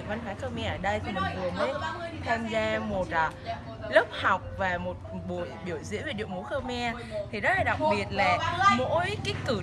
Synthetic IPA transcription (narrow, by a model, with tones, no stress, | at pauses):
va˧nhwaː˨˦xəː˧wmɛ˧ʔəː˧˩ɗə˧jt̪ʰi˨˩mï˨˩ŋ̟vɨ˨˩əməː˨˦jt̪ʰa˧mzaː˧mo˨˩t̚laː˨˩ | lə˦˥p̚ha˨˩wk͡p̚vaː˨˩mo˨˩t̚ɓo˨˩˨ɓi˧˩əwzɨ̰˧˥ve˨˩ɗḭ˧˨əŋmo˨˦xəː˧mɛ˧ | t̪ʰi˨˩zɔ˨˦˥laː˨˩ɗa˨˩k̚ɓi˨˩ət̚laː˨˩mo̰˧˥jkaː˨˦jkɨ˧˩